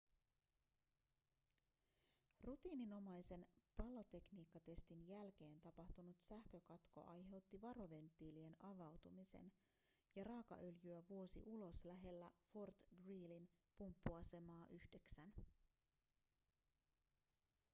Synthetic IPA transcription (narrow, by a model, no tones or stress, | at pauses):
rut̪iːnino̞mɑjse̞npɑlːo̞t̪e̞kniːkːɑt̪e̞st̪injælk̟e̞ːnt̪ɑpɑht̪unut̪sæhkø̞kɑt̪ko̞̰ʔɑjɦe̞wt̪ːiʋɑɾo̞ʋe̞nt̪ːˑiːlie̞nɑʋɑwt̪umise̞̰n | jɑrɑːkɑ̰ʔø̞ljyæʋuo̞sḭʔulo̞slæɦe̞lːæfort̪ɡriːlinpumpːuɑse̞mɑːʔyhde̞ksæn